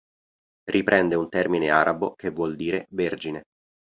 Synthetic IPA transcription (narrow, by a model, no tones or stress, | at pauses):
rʔipɾʔɛnd̪eunt̪ɛrmineaːɾʔabokevːwɔld̪iːɾeverd͡ʒine